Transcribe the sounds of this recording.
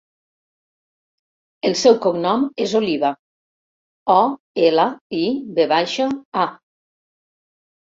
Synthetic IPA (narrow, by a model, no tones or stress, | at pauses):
əlˠsɛwkoŋnɔmezoliβa | ɔ | elaibeβajʃaa